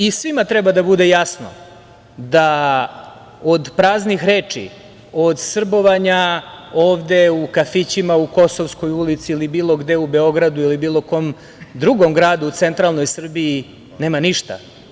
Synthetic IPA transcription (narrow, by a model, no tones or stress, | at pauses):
isʋimat̪ɾɛbad̪abud̪e̞jasno̰ | d̪a | od̪pɾaːznixɾeːt͡ʂḭ | o̞d̪sr̩bo̞ʋaɲaoːʋd̪e̞ukafit͡ɕimauko̞soʋsko̞julit̪siːlibiːlˠoɡd̪e̞ube̞o̞ɡɾad̪uilibiːlˠo̞ko̞m | d̪ɾuɡo̞mɡɾaːd̪uut̪sent̪ɾalˠno̞jsr̩biː | ne̞ːmaniʃt̪a̰